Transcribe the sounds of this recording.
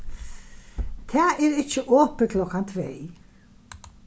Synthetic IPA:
t̪ʰɛaɛɾɪht͡ɕːɪʔɔːpɪkʰlɔkːant̪ʰveːj

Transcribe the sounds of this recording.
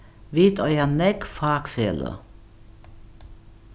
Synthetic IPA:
ʋit̪ɔjanɛkfɑːkfḛːlə̰

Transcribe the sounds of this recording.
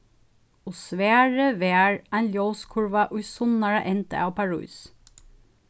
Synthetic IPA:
ʊsʋeːɹəʋeːɹænljoːskʰʊɹʋaʔʊjsʊnɑɹəʔɛnt̪ə̰ʔɑwpʰaɹṵːs

